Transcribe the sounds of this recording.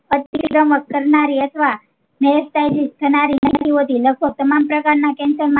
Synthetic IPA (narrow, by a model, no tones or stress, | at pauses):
ət̪iɡɾəmək̚kəɾnaɾiət̪ʰʋa | mɛsʈajd͡ʒist̪ʰənaɾinət̪ʰiɦot̪iləɡ̚bʱəɡ̚t̪əmampɾəkaɾnakɛ̃nsəɾmã